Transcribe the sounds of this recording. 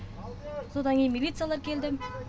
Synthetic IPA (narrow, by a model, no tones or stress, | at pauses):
sod̪ɑŋkʲejnmilʲit̪sɨjalˠɑɾkʲʰe̞ld̪ɪm